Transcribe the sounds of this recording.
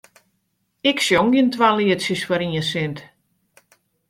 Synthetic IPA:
ɪksjoŋɡiəntwaliətsjəsfɔɾiəsɪnt

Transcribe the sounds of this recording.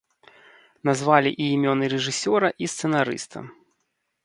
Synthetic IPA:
nazvalʲḭʔiːmʲɔnɨɾɛʐɨsʲɔɾɐʔist̪sɛnaɾɨ̰st̪ɐ̰

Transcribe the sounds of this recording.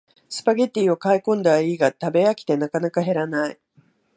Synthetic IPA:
sɨ̥paɡe̞t̪ʲːiːo̞kaikõ̞nd̪aaiːɡat̪abe̞jakʲi̥t̪e̞nakanakaɦe̞ɾanai

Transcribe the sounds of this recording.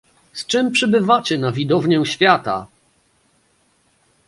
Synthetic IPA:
st͡ʂɘmpʂɘbɘvat͡ɕɛnavʲid̪ɔvɲɛw̃ɕfʲjat̪a̰

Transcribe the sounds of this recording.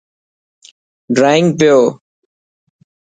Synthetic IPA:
ɖɾaːɪ̃ŋɡ̚pɪjoː

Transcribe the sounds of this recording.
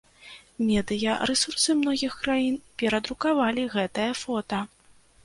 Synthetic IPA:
mʲɛd̪ɨjɐɾɛsursɨmnɔɣʲixkɾajinpʲɛɾɐd̪ɾukavalʲiɣɛt̪ɐjɐfɔt̪ɐ

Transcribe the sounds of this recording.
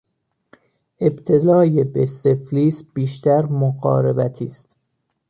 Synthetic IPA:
ʔe̞bt̪ʰe̞lɒːjebesefliːsb̥iːʃt̪æɾmoɣɒ̰ːɾebæt̪ʰiːst̪

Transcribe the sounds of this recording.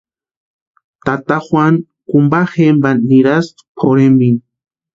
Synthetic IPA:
t̪at̪axwan | kumbaxembanːiɾaspʰoɾembin

